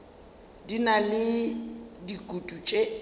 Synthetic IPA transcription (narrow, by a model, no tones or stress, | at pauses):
dinalɪ | dikʼutʼut͡ʃʼe